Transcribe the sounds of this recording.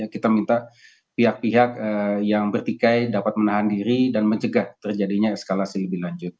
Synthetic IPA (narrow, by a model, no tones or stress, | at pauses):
akit̪amint̪a | piɦak̚piɦak̚əjaŋbərt̪ikajdapat̪̚mənaɦandiɾidanməɲt͡ʃəɡaht̪ərd͡ʒadiɲasə̥kalasiləbɪhɦlaɲd͡ʒʊt̪̚